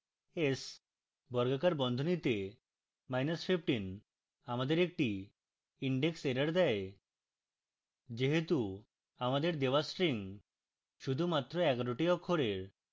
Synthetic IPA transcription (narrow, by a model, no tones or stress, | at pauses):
es | bɔɾɡakaɾbɔnd̪ʱonit̪e | majnɔspʰip̚ʈin | amad̪eɾek̚ʈi | iɳɖekseɾaɽd̪ɛe | d͡ʒeɦet̪u | amad̪eɾd̪ebasɾiŋ | ʃud̪ʱumat̪ːɾoɛɡaɾoʈiɔkʰːoɾeɾ